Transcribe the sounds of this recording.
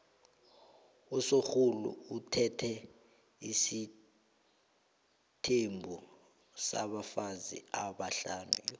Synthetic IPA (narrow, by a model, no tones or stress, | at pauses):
usoxulṵutʰɛtʰɛ | isi | tʰembʱu | sa̰ɓafazḭaɓaɬanṵjɔ